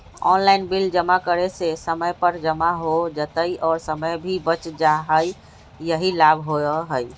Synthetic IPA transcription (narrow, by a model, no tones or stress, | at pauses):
ɔnlaɪnbild͡ʒəmakəɾesesəməjpəɾd͡ʒəmaɦod͡ʒət̪əiʔɔːɾsəməjbʱibət͡ʃd͡ʒaɦəj | jəɦilabʱɦoəɦəj